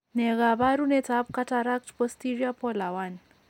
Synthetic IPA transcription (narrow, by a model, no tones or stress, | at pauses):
nɛɣaβaɾunɛtab̚kataɾak̚tpɔstiɾiapɔlawan